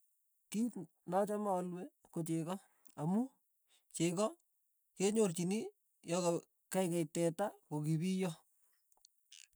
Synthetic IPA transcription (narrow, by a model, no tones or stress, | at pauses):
kit | nɔt͡ʃɔmaɔlwe | kot͡ʃekɔ | amu | t͡ʃekɔ | keɲort͡ʃini | jɔka | kajkɛjtɛtakokibijɔ